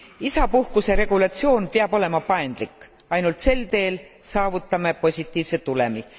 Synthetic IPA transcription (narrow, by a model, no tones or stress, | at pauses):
isɑpuhkuse̞ɾe̞ɡ̥ulɑt̪sio̞ːnpeɑb̥o̞le̞mɑpɑend̪̥likːˑ | ɑjnult̪se̞lt̪e̞ːl | sɑːvut̪ːˑɑmepo̞sʲit̪ːˑiːvset̪ːˑule̞mi